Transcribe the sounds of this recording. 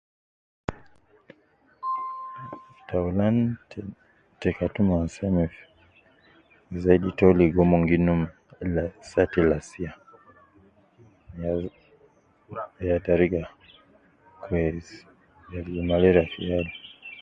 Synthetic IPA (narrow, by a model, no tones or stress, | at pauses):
taulan | tɛkatumansɛmif | zaiditɔliɡɔmɔŋɡinum | lasatilasia | jataɾiɡa | kwɛz | jalimalɛɾafḭjali